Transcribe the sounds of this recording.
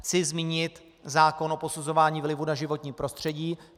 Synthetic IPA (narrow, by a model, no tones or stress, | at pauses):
t͡sɪzmiːɲɪt̪ | zaːko̞nʔo̞po̞suzo̞vaːɲiːvlɪvunaʒɪvo̞t̪ɲiːpɾo̞st̪r̝̥ɛɟiː